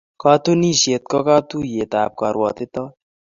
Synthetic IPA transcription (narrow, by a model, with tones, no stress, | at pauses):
ka˦t̪u˦ni˦ʃe˨t̪̚kɔ˦ka˦t̪u˦je˨t̪a˨p̚ka˨ɾwɔ˨t̪e˦t̪ɔ˦